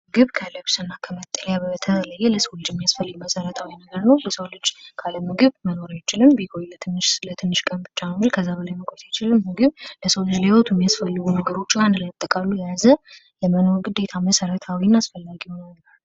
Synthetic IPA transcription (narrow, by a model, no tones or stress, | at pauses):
mɡɨβkʰəlɨβsɨnːakʰəmət̪ʼːəljabət̪ʰələjːɛləsəwlɨd͡ʒɪmːijasfəlːɨɡməsəɾət̪ʰawinəɡəɾnəwbəsəwlɨd͡ʒkʰaləmːɨɡɨβməno̞ɾajt͡ʃɪlɨmbiɡʰojlət̪ʰɨnːɨʃslət̪ʰɨnːɨʃkʼəmbɨt͡ʃːanəmilkʰəzːaβəlajməkʷʰʼojt̪ʰajt͡ʃɪlɨmːɨɡɨβləsəwlɨd͡ʒlewot̪ʰumːijasfəlːɨɡunəɡəɾo̞t͡ʃːɪand̪ləmət̪ʼːəkʼalːujazə | ləməno̞ɾɡɨd̪ːe̞t̪ʰaməsəɾət̪ʰawinasfəlːaɡinalːə